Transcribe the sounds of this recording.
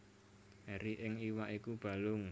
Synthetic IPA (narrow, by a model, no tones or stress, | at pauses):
ɛɾiʔɪŋiwaʔikub̥a̤lʊŋ